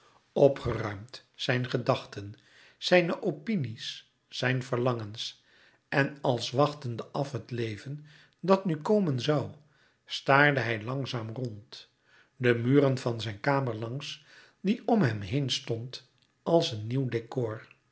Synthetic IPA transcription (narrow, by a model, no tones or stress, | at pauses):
ɔpχərœɥmtsɛjnχədɑχtən | z̥ɛjnəʔopinisː | ɛjnvəɹlɑŋəns | ʔɛnɑlˠsʋɑχtəndəʔɑfɦətlejvən | dɑtnykowmənzɑw | staːɹdəɦɛjlɑŋzaːmrɔnt | dəmyːrənvɑnzɛjnkaːməɹlɑŋs | diɔmɦɛmɦejnstɔnt | ɑlˠsənːiwdekoːɹ